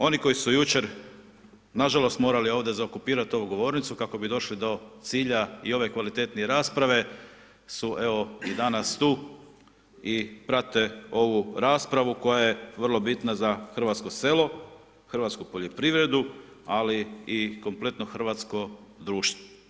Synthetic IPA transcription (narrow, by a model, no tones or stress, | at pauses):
o̞niko̞jisujut͡ʃe̞ɾ | naʒalo̞st̪mo̞ːɾalio̞ʋd̪ezaokupiːɾat̪io̞ʋuɡo̞ʋo̞ːɾnit̪sukako̞bid̪o̞ʃlid̪o̞t̪siːʎaio̞ʋe̞kʋalit̪e̞t̪nieɾaːspɾaʋe̞ | suʔe̞ʋo̞id̪anast̪uː | ipɾat̪e̞o̞ʋuɾaːspɾaʋuko̞jajeʋr̩lˠo̞bit̪nazaxr̩ʋat̪sko̞se̞ːlo̞ | xɾr̩ʋat̪skupo̞ʎo̞pɾiʋɾe̞d̪u | aliiko̞mple̞t̪no̞xr̩ʋat̪sko̞d̪ɾuːʃt̪ʋo̥